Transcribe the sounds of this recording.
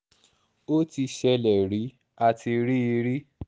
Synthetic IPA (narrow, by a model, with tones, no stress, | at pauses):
o˦ti˧ʃɛ˧lɛ˨ɾi˨˦ | a˧ti˧ɾi˦i˧ɾi˦